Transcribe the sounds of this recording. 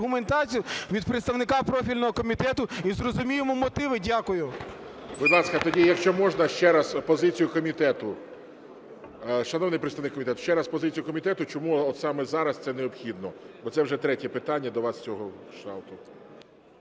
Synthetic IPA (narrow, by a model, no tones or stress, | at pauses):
ɦʊment̪ɑt͡sʲijʊʋʲid̪pɾet̪st̪ɐʋnɪkɑpɾɔfʲilʲnɔɦɔkɔmʲit̪ɛt̪ʊizrɔzʊmʲijemɔmɔt̪ɪʋɪdʲakʊjʊ | bʊd̪lˠɑskɐt̪ɔdʲijɐkʃt͡ʃɔmɔʒnɐʃt͡ʃɛɾɐspɔzɪt͡sʲijʊkɔmʲit̪ɛt̪ʊ | ʃɐnɔwnɪjpɾɪt̪st̪ɐʋnɪkːɔmʲit̪ɛt̪ʊ̥ʃt͡ʃɛɾɐspɔzɪt͡sʲijʊkɔmʲit̪ɛt̪ʊt͡ʃɔmuɔt̪sɑmɛzɑɾɐst̪sɛneɔpxʲid̪nɔbɔt̪sɛwʒɛt̪ɾɛtʲɛpɪt̪ɑnʲːɐd̪ɔʋɑst͡sʲɔɦɔʃt̪ɑwt̪ʊ